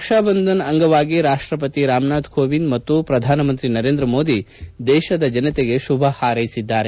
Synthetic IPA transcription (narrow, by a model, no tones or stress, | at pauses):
pɐkʂaːbɐnd̪ʱɐnɐŋɡɐʋaːɡiɾaːʂʈɾɐp̬ɐt̪iɾaːmnaːd̪koːʋind̪mɐt̪ːupɾɐd̪ʱaːnɐmɐnt̪ɾinɐɾeːnd̪ɾɐmoːd̪i | d̪ɛːʃɐd̪ɐd͡ʒɐnɐt̪eɡe̞ʃubʱɐhaːɾɐjisid̪ːaːɾe